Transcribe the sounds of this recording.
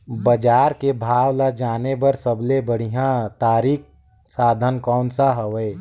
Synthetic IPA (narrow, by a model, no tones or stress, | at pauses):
bəd͡ʒaːɾkebʱaːwlad͡ʒaːnebəɾsəblebəɽ̤iɦjãt̪aːɾiːk̚ | saːd̪ʱənkɔːnsaɦəʋəe